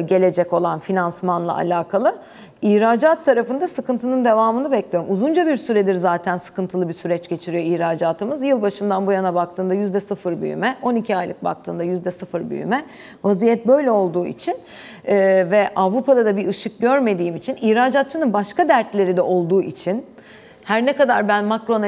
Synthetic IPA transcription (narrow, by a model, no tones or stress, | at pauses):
ɟe̞lʲe̞d͡ʒɛko̞lˠanfinansmanlˠa̰ʔa̰lʲaːkʰalˠɯ | ihɾaːd͡ʒat̪ʰːaɾafɯnd̪asɯkɯnt̪ʰɯnɯnd̪e̞vaːmɯnɯbɛclʲijo̞ɾumuzund͡ʒabiɾsyɾɛd̪iɾzaːt̪ʰænsɯ̥kɯnt̪ʰɯlˠɯbisyɾɛt͡ʃɟe̞t͡ʃʰiɾijo̞içɾaːd͡ʒaːt̪ʰɯmɯzjɯlˠbaʃɯnd̪anbujanabak̚t̪ʰɯːnd̪ajyzd̪ɛsɯfɯɾby̰jy̰mɛʔo̞nicʰiajlˠɯ̰k̚ba̰kt̪ʰɯ̰ːnd̪ajyzd̪ɛsɯfɯɾby̰jy̰mɛ | vazijɛt̪̚bø̞jlʲɛo̞lˠd̪uːḭt͡ʃʰinː | vɛʔavɾupʰad̪ad̪abiɯʃɯk̚ɟøɾme̞d̪iːimit͡ʃʰiniçɾaːd͡ʒat̪̚t͡ʃʰɯnɯnbaʃkad̪æɾt̪lʲe̞ɾid̪ɛʔo̞lˠd̪uːʔit͡ʃʰin | hæɾnɛkad̪aɾbænmakɾo̞na